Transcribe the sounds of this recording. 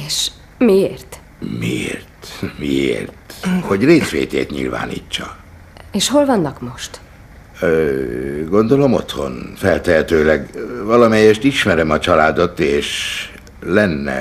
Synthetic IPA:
eːʃ | mieːrt̪ | miḛːrt̪miḛːrt̪ho̞ɟreːt̪fḛːt̪ḛːt̪ɲḭlva̰ːnḭːt͡ʃːɒ | eːʃho̞lvɒnːɒkmo̞ʃt̪ː | ɡo̞nd̪o̞lo̞mo̰t̪ho̞̰nfɛlt̪ɛɦɛt̪øːlɛɡvɒlɒmɛjɛʃt̪iʃmɛɾɛmɒt͡ʃɒlaːd̪o̞t̪eːʃ | lɛnːɛ̰

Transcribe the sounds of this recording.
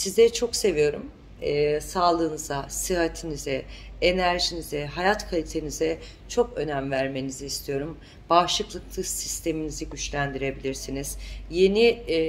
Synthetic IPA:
sizd̪ɛt͡ʃʰo̞kse̞vijo̞ɾṵmː | saːlˠɯːnɯzasɯɦat̪ʰinizɛenæɾʒinizɛɦajat̪kʰalʲit̪ʰe̞nizɛ | t͡ʃʰo̞kø̞næmvæɾme̞niziiːst̪ʰijo̞ɾum | b̥aʃlˠɯklˠɯklˠɯsist̪ʰe̞miniziɟyt͡ʃlʲænd̪iɾe̞bilʲiɾsiniz̥je̞ni

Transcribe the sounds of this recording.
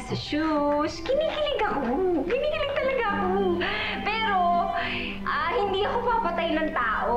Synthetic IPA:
sɪʃuskɪniːkɪlɪɡɐkokɪniːkɪlɪɡ̚t̪ɐlɐɡaɐko | pɛːɾo̞ | ʔahɪnd̪iːʔɐkopɐpɐt̪ajnɐŋt̪aːʔo

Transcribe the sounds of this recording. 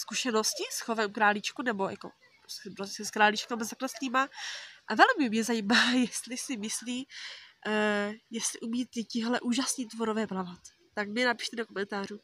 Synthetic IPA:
skuʃɛno̞scɪsxovɛmkɾaːlɪt͡ʃkunɛbo̞ja̰ko̞̰ | spɾoscɛskɾaːlɪt͡ʃkamazaklɛsliːmaʔavɛlmɪmɲɛzajiːmaːjɛst̪lɪsɪmɪsliː | jɛst̪lɪʔumiːt̪ɪcɪɦlɛʔuːʒasniːt̪voɾovɛːplavat̪ːakmɲɛnapi̥ʃt̪ɛdokomɛnt̪aːruː

